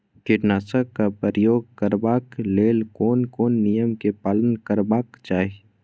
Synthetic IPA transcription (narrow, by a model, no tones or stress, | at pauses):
kɪʈnaːsəkːapəɾəjoːɡ̚kəɾbaːkleːlkoːnkoːnːijəmkepaːlənkəɾbaːkt͡ʃaːe